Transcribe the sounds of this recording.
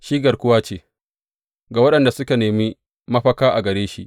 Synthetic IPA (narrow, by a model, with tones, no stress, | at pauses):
ʃiː˦ɡɐ˨rkʷʊ˦waː˦t͡ʃeː˦˨ | ɡaː˨wɐ˦ɗɐ˨nda˨sʊ˦ka˨neː˨mi˦ | mɐ˦ɸɐ˦kaː˦ʔa˨ɡɐ˨ɾeː˦ʃḭ˦ʔ